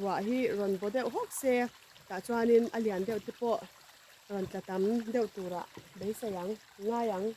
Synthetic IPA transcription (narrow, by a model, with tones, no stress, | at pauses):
wa˨ʔɦi˦rɔ˨nbɔ˨˦d̪ɛ˦˨wɦɔ˦˨k̚sɛ˦ | ta˨t͡sa˧ni˧nʔɐ˧li˨a˨nd̪ɛ˦˨wt̪i˦pɔ˦ʔ | rɔ˨nt͡ɬa˨t̪ɐ˨md̪ɛ˦˨wt̪u˨ɾa̰˨ʔbe˨˦jsa˨ja˨˦ŋː | aː˦ja˨˦ŋ